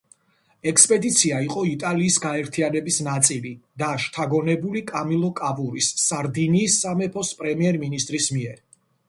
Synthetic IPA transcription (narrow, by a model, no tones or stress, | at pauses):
ɛkspʼɛd̪it̪sʰiaiqʼɔit̪ʼaliːsɡaɛɾt̪ʰianɛbisnat̪sʼilid̪̥aʃt̪ʰaɡɔnɛbulikʼamilˠɔkʼabuɾisːaɾd̪iniːsːamɛpʰɔspʼɾɛmiɛɾminist̪ʼɾismiɛɾ